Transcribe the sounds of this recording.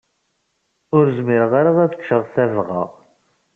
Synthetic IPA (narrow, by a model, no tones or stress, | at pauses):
ʊɾzmiɾəʁaɾaðæt͡sə̥kʃəʁθævʁɑ̰ʁ